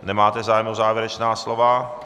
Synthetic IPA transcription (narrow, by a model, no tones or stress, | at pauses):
nɛmaːt̪ɛzaːjɛmozaːvjɛɾɛt͡ʃnaːslova